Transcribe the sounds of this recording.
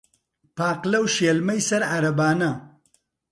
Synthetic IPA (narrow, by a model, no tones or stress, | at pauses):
paːqlɐwʃeːlmɐjsɐɾʕaɾɐbaːnɐ